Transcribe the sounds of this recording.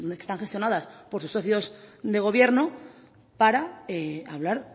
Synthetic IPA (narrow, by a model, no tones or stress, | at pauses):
ke̥st̪aŋxe̞st̪jo̞nað̞aspo̞ɾsusːoθjo̞sd̪e̞ɣ̞o̞βje̞ɾno | paɾaeaβlaɾ